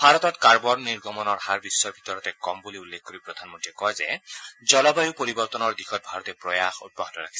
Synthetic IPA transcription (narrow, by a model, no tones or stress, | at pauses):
bʱaɹɔt̪ɔtkaɹbɔnniɹɡʱɔmɔnɔɹhaɹbisːɔɹbʱit̪ɔɹɔtɛkɔmbuliulːek̚koɹipɹɔd̪ʱanmɔntiɛkɔjzɛzɔlɔbajupoɹibɔɹt̪ɔnɔɹd̪ixʰɔt̚bʱaɹɔt̪ɛpɹɔjaxṵt̚bɔɦɔtɔɹakʰi̥sɛ